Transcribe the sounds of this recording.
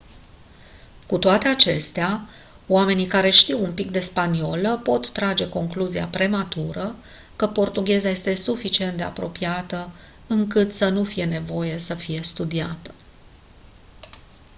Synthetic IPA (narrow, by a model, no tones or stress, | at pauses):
kut̪oat̪e̞at͡ʃe̞st̪ea | oame̞nikaɾe̞ʃt̪iwumpik̚d̪e̞spanio̞ləpo̞t̪ːɾad͡ʒe̞ko̞ŋkluzia̰pɾe̞mat̪uɾə | kəpo̞rt̪uɡʲe̞zaje̞st̪e̞sufit͡ʃie̞nt̪̚d̪e̞a̰pɾo̞piat̪ə | ɨŋkɨt̪sənufije̞ne̞vo̞je̞səfije̞st̪ud̪iat̪ə̥